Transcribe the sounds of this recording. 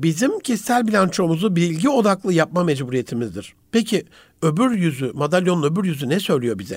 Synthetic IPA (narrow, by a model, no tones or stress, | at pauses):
bizimcʰist̪ælʲbilʲant͡ʃʰo̞muzubiɾilʲɟio̞d̪aklˠɯjap̚mamed͡ʒbuɾije̞t̪ʰimizd̪iɾ̥pecʰi | ø̞byɾjyzymad̪alʲjonnø̞byɾjyzynɛsø̞jlʲijo̞bizɛ̰